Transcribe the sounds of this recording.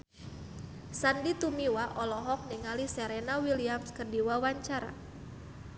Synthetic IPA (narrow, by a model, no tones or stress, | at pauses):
sandit̪umiwaʔɔlɔɦɔk̚niŋalisɛɾenawiliamskərdiwawaɲt͡ʃaɾa̰